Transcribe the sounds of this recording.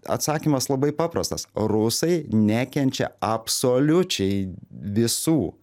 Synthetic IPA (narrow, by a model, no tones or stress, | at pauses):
ɐ̰t̪sɑːkʲiːmɐslˠɐbɐɪpɑːpɾɐst̪ɐsrʊsɐɪnʲæːkʲɛnʲt͡ʃʲɛ̰ɐpsoːlʲʊt͡ʃʲɛɪʋʲɪsuː